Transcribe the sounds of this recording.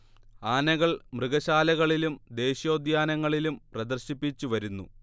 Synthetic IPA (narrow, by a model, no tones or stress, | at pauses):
aːnɐɣɐɭmrɨɣɐɕaːlɐɣɐɭilumd̪e̞ːɕjo̞ːd̪jaːnɐŋːɐɭilumprɐd̪ɐrɕipːit͡ɕːuʋɐɾunːṵ